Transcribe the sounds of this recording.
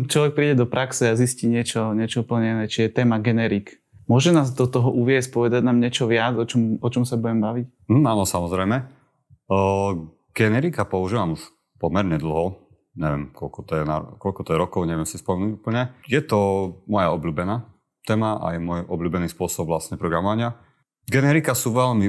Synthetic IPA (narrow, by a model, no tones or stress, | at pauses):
t͡ʃlɔʋɛk̚pɾiːɟɛd̪ɔpɾʔaksɛazisciːɲɪɛt͡ʃɔɲɪɛt͡ʃɔupl̩ɲɛinɛt͡ʃijɛt̪ɛːmaɡɛnɛɾik | mʊɔʒɛnaːzd̪ɔt̪ɔɦɔʔuʋɪɛsc̚pɔʋɛd̪aɟnaːmɲɪɛt͡ʃɔʋɪad͡zɔt͡ʃɔmɔt͡ʃɔmsabuɟɛmbaʋic | m̩aːnɔsamɔzɾɛjmɛ | ɡ̥ɛnɛɾikapɔuʒiːʋamuʃ | pɔmɛɾɲɛd̪l̩ˠɦɔ | ɲɛʋɪɛ̰mkɔlkɔt̪ɔjɛna̰kɔʎkɔt̪ɔjɛɾɔkɔʊɲɛʋɪɛmsispɔmɛnuɟupl̩ɲɛjɛt̪ɔmɔjaɔbluːbɛnaː | t̪ɛːmaa̰jɛmʊɔjʔɔbluːbɛniːspʊɔsɔbvlastɲɛpɾɔɡɾamɔʋaɲɪa | ɡɛnɛɾikasuʋɛʎmi